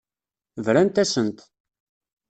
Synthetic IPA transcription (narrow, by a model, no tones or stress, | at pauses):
vɾænt̪æsənt̪